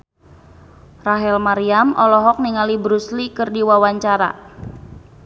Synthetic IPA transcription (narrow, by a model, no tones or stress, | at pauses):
raɦɛlmaɾiamʔɔlɔɦɔk̚niŋalibɾuslikɨrdiwawaɲt͡ʃaɾa̰